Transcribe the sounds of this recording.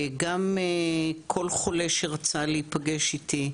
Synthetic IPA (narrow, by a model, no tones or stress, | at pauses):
ɡamekʰo̞lχoleʃeʁat͡saleipaɡeʃit̪i